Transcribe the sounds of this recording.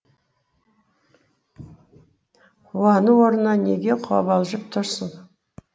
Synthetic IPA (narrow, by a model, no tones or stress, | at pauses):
uɑnəwoɾənɑnḛɡʲeqʰʊɑ̰bɑlˠʒəp̚t̪ʰʊɾsəŋ